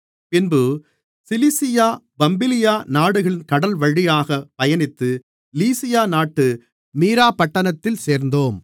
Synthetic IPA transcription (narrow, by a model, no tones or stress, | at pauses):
pɪnbɯ | sɪlisɪjaː | bɐmbɪlɪjaːnaːɽɯɣɐɭɪnkɐɽɐlʋɐɻɪjaːɣɐpɐjɐnɪt̪ːɯ | liːsɪjaːnaːʈːɯ | miːɾaːpɐʈːɐnɐt̪ːɪlseːɾnd̪oːm